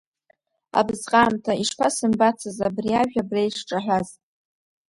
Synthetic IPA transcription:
a̰bzqʼaːmtʰaiʂpʰasɨmbat͡sʰazabriaʒᶣabrejʂʈ͡ʂʼaħʷᶣaz

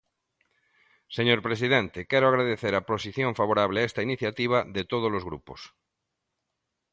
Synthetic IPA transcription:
seɲoɾpɾes̬iðẽnt̪ekɛɾoaɣɾaðeθeɾaposiθjõɱfaβoɾaβleaest̪ainiθjat̪iβ̞aðet̪oð̞ozlozɣɾṵpos

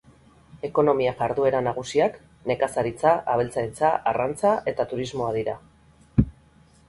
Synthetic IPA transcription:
e̞ko̞no̞miaʝaɾðue̞ɾanaɣ̞usiak | ne̞kasaɾit͡saʔaβ̞e̞lt͡saɾit͡saʔːrant͡saʔe̞t̪at̪uɾizmo̞að̞iɾa̰

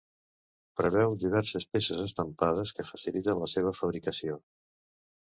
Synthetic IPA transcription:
pɾəβ̞ɛwd̪iβ̞ɛɾsəspesezəst̪əmpaðəskəfəsilit̪ənləseβəfəβ̞ɾikəsio

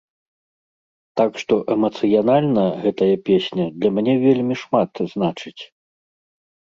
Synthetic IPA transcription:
t̪akʂt̪ɔʔɛmɐt̪sɨjanalʲnɐɣɛt̪ɐjɐpʲesʲnʲɐd̪lʲɐmʲanʲɛvʲelʲmʲiʂmat̪znat͡ʂɨt͡sʲ

